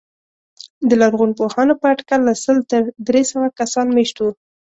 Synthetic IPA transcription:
d̪əlaɾɣunpohɑnopəaʈkalːasəlt̪əɾd̪ɾesəwakasɑnmeʃt̪u

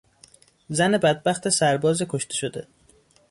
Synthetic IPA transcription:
zænebæd̪̚bæxt̪ʰesæɾbɒːzikʰoʃt̪e̥ʃod̪e

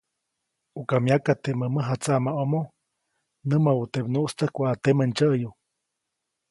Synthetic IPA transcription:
ukamjakat̪eməməɦat͡saʔmaomo | nɨmaut̪ebnuʔst̪əhkʷaːt̪emənt͡ʃəju

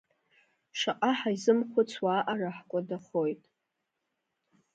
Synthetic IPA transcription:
ʂaqʼaħaizɨmχʷʊt͡sʰwaːʔaraħkʷʼadaχo̞jtʼ

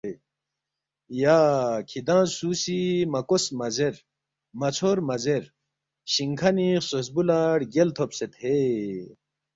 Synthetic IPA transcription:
jaːkʰid̪ãːsuːsimɐkosmɐzeɾ | mɐt͡sʰoːɾmɐzeɾ | ɕiŋkʰɐnisos̬bulaɽɡelt̪ʰopset̪ʰhe

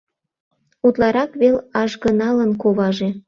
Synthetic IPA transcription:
ut̪lɑɾɑkβelɑʒɣənɑlənkoβɑʒe

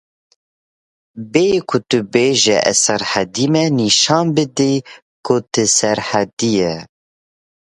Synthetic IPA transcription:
bekʰʊt̪ɨbeːʒɛʔɛ̰sɛɾħɛd̪imɛniʃɑːnbɨd̪i | kʰʊt̪ɨsɛɾħɛd̪ijɛ

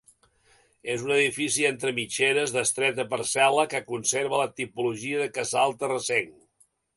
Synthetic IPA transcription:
ezunəðifisient̪ɾəmit͡ʃeɾəzðəst̪ɾɛt̪əpəɾsɛləkəkunseɾβələt̪ipuluʒiəðəkəzalˠt̪ərəseŋ

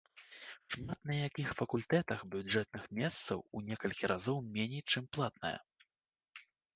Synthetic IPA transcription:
ʂmat̪nɐjakʲixfɐkulʲt̪ɛt̪ɐxbʲud͡ʐɛt̪̚nɨxmʲɛst̪sɐ̰wunʲɛkɐlʲkʲiɾʔazɔwmʲɛnʲejt͡ʂɨmplˠat̪nɐ̰jɐ̰

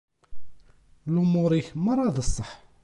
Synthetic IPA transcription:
lʊmʊɾˤiçəmːəɾˤɑðəsˤːəħ

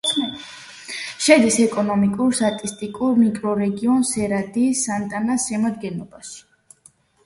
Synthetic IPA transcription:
ʃɛd̪isɛkʼɔnɔmikʼuɾst̪ʼat̪ʼist̪ʼikʼuɾmikʼɾɔɾɛɡiɔnsɛɾad̪iːsːant̪ʼanasɛmad̪ɡɛnɔbaʃi̥

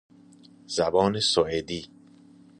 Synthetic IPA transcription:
z̥æbɒːnesoʔed̪iː

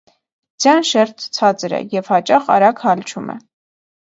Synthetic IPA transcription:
d͡zjɑnʃɛɾt̪ʰt͡sʰɑt͡sɾɛ̰jɛvhɑt͡ʃɑχɑ̰ɾɑkhɑlt͡ʃʰumɛ̰

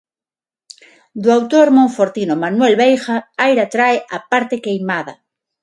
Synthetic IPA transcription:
d̪uawt̪oɾmõɱfoɾt̪inomanwelβejxaajɾat̪ɾaeʔapaɾt̪ekejmaða

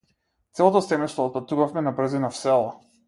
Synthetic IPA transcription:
t̪sɛlˠɔt̪̬ɔsɛmɛst̪vɔːt̪̚pat̪uvafmɛnabɾ̩zinafsɛlˠa

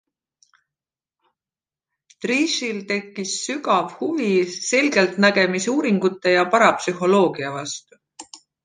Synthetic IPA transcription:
t̪riːʃilt̪e̞kːˑisːyɡɑvhuvise̞lɡe̞lt̪næɡ̥e̞misuːɾiŋɡ̥ut̪ˑːe̞jɑpɑɾɑpsyɦo̞lo̞ːɡiɑvɑst̪u

